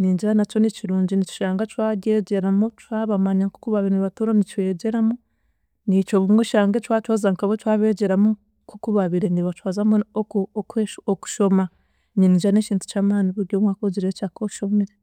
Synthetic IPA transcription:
niːɲɟiɾanat͡ʃo̞niciɾuːɲɟinit͡ʃi̥ʃaːŋɡat͡ʃwaɟeɟeɾamotwaβamaɲaku̥kuβaβiɾeniβatuɾanit͡ʃwe̞ːɟe̞ɾamo | nit͡ʃoβuŋɡoʃaːŋɡat͡ʃwaːt͡ʃwozaŋkaβotwaːβe̞ɟe̞ɾamu | kukuβaβiɾeniβat͡ʃwazamookeoku̥ʃo̞ma | niniːɲd͡ʒianeciːntu̥t͡ʃaːmaːniβuɾɟomwaːkoɟiɾeet͡ʃaːkoʃomeɾe

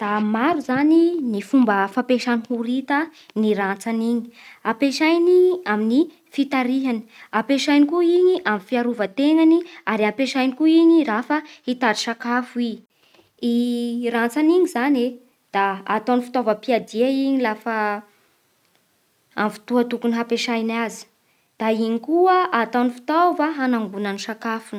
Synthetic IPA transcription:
d̪̥amaɾuzaninifumbəfapeʃanihuɾit̪əniɾat͡saniɲi̥apeʃajniamini | fit̪aɾiɦani̥apeʃajnikuiɲiʔamifiaɾuvət̪eŋaniaɾiapeʃajnikuiɲiɾafəhit̪aɾiʃakafui | irant͡saniɲizane | d̪̥aːt̪awnifi̥t̪ovəpiad̪iaiɲilafə | a̰mfi̥t̪uət̪ukuniɦapeʃajnazi̥ | d̪̥aiɲikuəʔat̪awnifi̥t̪ovəɦanaŋbunaniʃakafunə

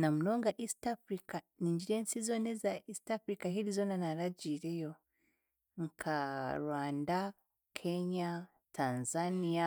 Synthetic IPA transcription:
namuno̞ːŋɡaʔistafɾikaniːɲɟiɾe̞ːnsizo̞ːnezaistafɾikaɦiɾizo̞ːnanaɾaɟiːɾe̞jo̞ | ŋkʰaɾwaːnda | kʰe̞ɲa | tʰaːnzanija

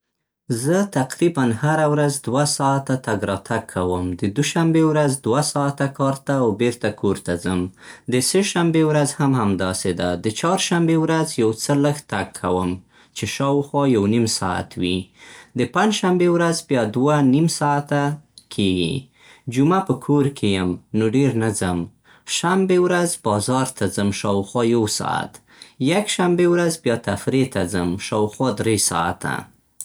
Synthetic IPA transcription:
zət̪aqɾibanhaɾawɾazd̪wasɑat̪at̪aɡɾɑt̪ʰakʰːawəmd̪əd̪uʃambewɾazd̪wasɑat̪akɑɾt̪aːwbeɾt̪akʰoɾt̪azəmd̪əseʃambewɾazhamhamd̪ɑsed̪ad̪ət͡ʃɑɾʃambewɾazjawt͡sələxt̪akʰːa̰wəm | t͡ʃeʃɑwxwɑjawnimsɑ̰a̰t̪wid̪əpand͡ʒʃambewɾazbjɑd̪wanimsɑat̪akʰeɡḭ | d͡ʒumapəkʰoɾkʰejəmnoɖeɾnazəm | ʃambewɾazbɑzɑɾt̪ʰazəmʃɑwxwɑjawsɑ̰a̰t̪ | jaɡʃambewɾazbjɑt̪afɾet̪azəmʃɑwxwɑd̪ɾesɑ̰a̰t̪a̰

